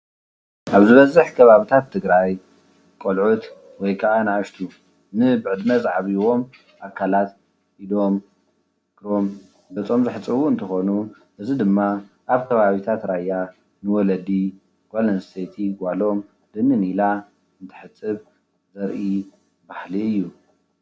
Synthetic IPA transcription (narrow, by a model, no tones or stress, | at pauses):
ʔaβzɨβɐzːɨħkʰɐβaβit̪ʰat̪ʰːɨɡɾaj | kʼolʕut̪ | wɔjkʰaʔanɨaʃt̪ʰu | nɨbɨʕɨd̪nɐzaʕaβiwo̞m | ʔakʰːalat̪ | ʔilo̞m | ɡ̥ɾo̞m | bɐt͡sʼo̞mzɨħɨt͡sʼɨβuɨnt̪ʰɐxonu | ʔɨzid̪ɨmːa | ʔaβkʰɐβaβit̪ʰat̪ɾajːa | nɨwɔlɐd̪i | ɡ̥ʷalɐnst̪ʰet̪ʰiɡʷwalo̞m | d̪ɨnɨnila | ɨnt̪ʰɨ̥ħɨt͡sʼːɨβ | zɐɾʔi | bahliɨjːu